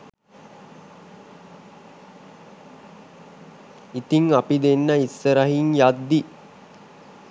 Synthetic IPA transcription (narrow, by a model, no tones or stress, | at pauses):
it̪iŋapid̪enːəisːəɾəɦiŋjad̪ːi